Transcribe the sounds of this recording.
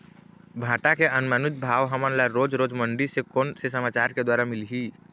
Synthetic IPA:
bʱaːʈakeʔənmənʊt̪̚bʱaːʋɦəmənlaɾoːd͡ʒɾoːd͡ʒmə̃ɳɖisekoːnsesəmaːt͡ʃaːɾked̪waːɾamɪlɦiː

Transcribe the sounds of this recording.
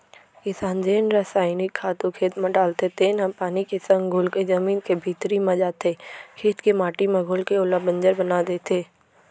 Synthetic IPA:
kɪsaːnd͡ʒeːnɾasaːɪnɪkʰːaːt̪ũkʰeːt̪mẽɖaːlt̪et̪eːnapaːnikesə̃ŋɡɡʱʊlkezɐmiːnkebʱiːt̪ɾimẽd͡ʒaːt̪eːkʰeːt̪kemaːʈimẽɡʱʊlkeʊlabə̃ɲd͡ʒəɾbɐnad̪eːt̪eː

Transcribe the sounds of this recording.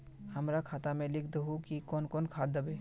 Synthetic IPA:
həmɾakʰaːt̪amẽlɪkʰd̪əɦukikɔnkɔːnkʰaːd̪əbeː

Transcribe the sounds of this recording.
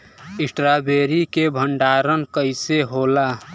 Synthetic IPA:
ɪsʈɾabeːɾikebʱəɳɖaːɾənkəɪseɦoːla

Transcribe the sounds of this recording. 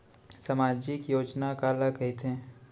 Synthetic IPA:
sɐmaːd͡ʒikjoːd͡ʒnakaːlakɐit̪ʰẽː

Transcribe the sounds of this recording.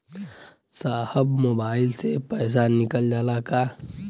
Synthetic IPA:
saːhəbmoːbaːɪlsepəjs̬anɪkəld͡ʒalaka

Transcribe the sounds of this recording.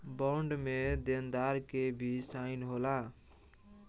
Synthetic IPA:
bɔɳɖmed̪end̪aɾkebʱisaɪnɦola

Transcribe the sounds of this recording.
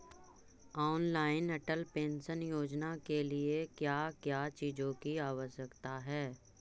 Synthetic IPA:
ɔːnlaːɪnəʈəlpẽːnʃənjoːd͡ʒnakeliekjaːkjaːt͡ʃiːd͡ʒõkiaːʋəʃjəkt̪aɦɛː

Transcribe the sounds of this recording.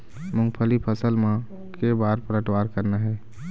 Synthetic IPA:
mʊ̃ŋɡpʰəlipʰəsəlmã | kebaːɾpəɾəʈwaɾkəɾnaɦɛː

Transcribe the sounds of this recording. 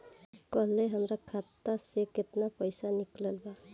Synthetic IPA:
kɔlːeɦamɾakʰat̪ːaseket̪napʌjsanikləlba

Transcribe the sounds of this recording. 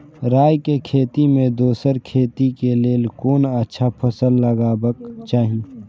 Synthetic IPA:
ɾaːjkekʰeːt̪imẽd̪oːsəɾkʰeːt̪ikeleːlkoːnɐtːʃʰapʰəsəlːəɡabəkt͡ʃaːɦĩː

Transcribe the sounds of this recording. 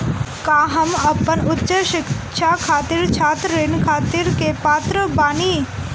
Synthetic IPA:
kaːɦɐmɐpːənʊtːʃəʃɪkʃʰakʰaːt̪iɾt͡ʃʰaːt̪ɾɾɪnkʰaːt̪iɾkepaːt̪ɾəbaːniː

